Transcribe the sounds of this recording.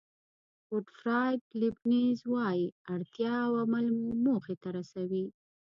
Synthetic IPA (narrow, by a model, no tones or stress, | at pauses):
poʈfɾɑjd̪libnizwɑjiaɽt̪jɑwamalmumoxet̪aɾasawi